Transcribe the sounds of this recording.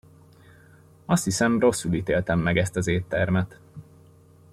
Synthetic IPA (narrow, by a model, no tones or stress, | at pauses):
ɒst̪hisɛmro̞sːuliːt̪eːlt̪ɛmːɛɡɛst̪ɒzeːt̪ːɛrmɛt̪